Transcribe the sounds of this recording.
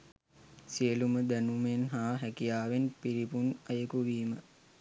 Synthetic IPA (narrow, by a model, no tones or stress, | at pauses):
siəluməd̪ænumenɦaːɦækijaːʋenpiɾipunɐjəkuʋiːmə